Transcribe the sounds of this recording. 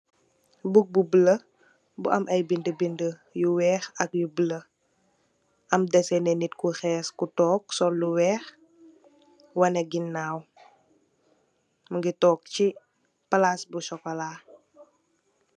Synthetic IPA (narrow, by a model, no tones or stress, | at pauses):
buk̚bubələ | buʔɐmʔɐjbindəbində | juwɛːxɐkjubələ | ʔɐmdɛsɛnɛnitkuxɛːskutɔːksɔlːuwɛːx | wɐnɛɡinːaːw | məŋɡitɔːk̚ci | pɐlaːsbusɔkɔlaː